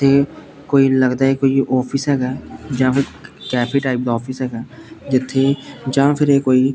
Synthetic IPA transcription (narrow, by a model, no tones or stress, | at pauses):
t̪ʰːe | koːiləɡd̪aːɛkoːiɔːpʰɪsɦɛːɡaːd͡ʒãːpʰɪɾkɛːpʰiːʈaːɪp̚d̪ɔːpʰɪsɦɛːɡaːd͡ʒɪt̪ʰːed͡ʒãːpʰɪɾekoːi